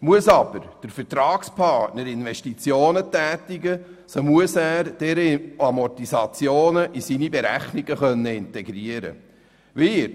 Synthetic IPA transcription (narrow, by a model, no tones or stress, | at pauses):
muəsɑb̥əɾd̥əɾfɛɾtɾɑːkspʰɑɾtnəɾɪnʋɛʃtit͡sjoːnətæːtiɡə | somuəsæːɾd̥ɛɾəɑmɔtisɑt͡sjoːnəʔisinibɛɾæχniɡ̥əχœnːəɪntɛɡɾiəɾə̰ | ʋɪɾ